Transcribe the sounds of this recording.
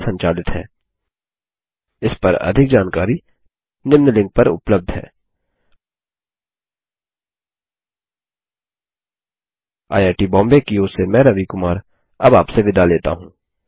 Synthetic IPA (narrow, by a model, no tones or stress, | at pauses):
sɐ̃ɲt͡ʃaːlɪt̪ɦɛ̰ː | ɪspɐɾɐ̰d̪ʱɪk̚d͡ʒaːnkaːɾi | nɪmnəlɪ̃ŋɡ̚pɐɾʊ̰pləb̚d̪ʱɦɛ̰ː | a̰ːjaːʈibɔ̃ːmbekioːsemɛ̃ːɾɐʋikʊmaːɾ | ɐbaːpseʋɪd̪ʱaleːt̪a̰ɦũː